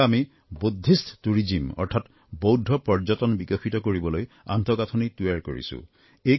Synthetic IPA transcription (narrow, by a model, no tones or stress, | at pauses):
ami | bud̪ʱːistʰtuɹid͡ʑimɔ̰ɹtʰat | bowdʱɔpɔɹd͡ʒɔtɔnbikɔxitɔkoɹibɔloj | a̰nt̪ɔɡatʰɔnituaɹko̰ɹḭsṵ̃ | e